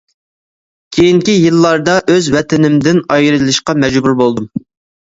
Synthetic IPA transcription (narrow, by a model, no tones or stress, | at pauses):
kʲʰejiŋkʲijɨlˠːɑɾd̪ɑʔøzwɛt̪ɪnɪmd̪ɪnɑjɾɨlˠɨʃqɑmɛd͡ʒbuɾbolˠd̪um